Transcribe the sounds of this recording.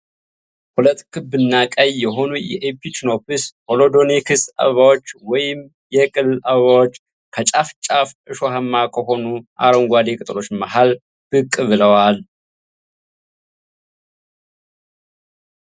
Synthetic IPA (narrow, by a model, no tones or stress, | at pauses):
pʰolət̪kʰɨbɨnːakʼəjːɛɦo̞nujɛ̰ʔepʰit͡ʃnopʰɨsho̞lo̞d̪o̞nekʰɨsa̰βəβawo̞t͡ʃːwɔjɪm | jɛkʼɨlːaβəβawot͡ʃː | kʰət͡ʃʼaft͡ʃʼafʔɨʃo̞ɦamːakʰəɦo̞nuʔa̰ɾoŋɡʷad̪ekʼɨt̪ʼɨlo̞t͡ʃːmaɦal | b̥ɨkʼːɨβɨləwal